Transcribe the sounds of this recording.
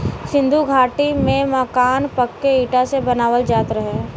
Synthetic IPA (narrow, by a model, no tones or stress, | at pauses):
sɪ̃nd̪ʱuɡʱaːʈimẽməkaːnpɐkːeiːʈasebɐnaːʋəld͡ʒaːt̪ɾəɦe